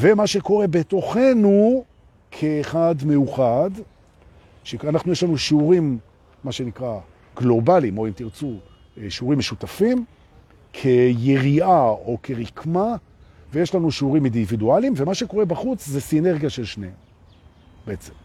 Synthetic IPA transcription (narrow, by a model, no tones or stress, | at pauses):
ve̞maʃe̞ko̞ʁe̞be̞t̪o̞χe̞nu | kʰeːχad̪me̞juχad | ʃeanaχnuje̞ʃlanuʃiuʁimː | aʃe̞nikʁa | ɡ̥lo̞balimo̞emt̪iʁt͡su | ʃiuʁimːeʃut̪afim | kʰe̞je̞ʁiao̞kʰe̞ʁikʰma | veje̞ʃlanuʃiuʁimindividualimvemaʃe̞ko̞ʁe̞baχut͡szesine̞ʁɡijaʃelʃneem | beet͡sem